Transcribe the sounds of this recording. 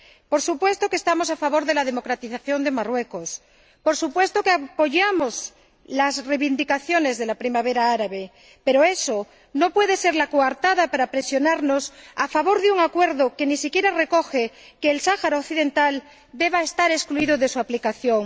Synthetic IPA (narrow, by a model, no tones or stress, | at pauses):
poɾsupwe̞st̪okest̪amo̞safaβo̞ɾðe̞lað̞e̞mo̞kɾat̪iθaθjo̞nd̪e̞marwe̞kos | poɾsupwe̞st̪okeapo̞ʝamoz | lazrejβind̪ikaθjone̞zðe̞lapɾimaβeɾaaɾaβe | pe̞ɾoeso | no̞pwe̞ðe̞se̞ɾlakoaɾt̪aðapaɾapɾe̞sjonaɾnosafaβo̞ɾðeuŋakwe̞ɾðoke̞nisikje̞ɾare̞koxe | keːlsaxaɾaokθiðe̞nt̪al | d̪e̞βaest̪aɾeskluiðoðe̞suaplikaθjo̞ŋ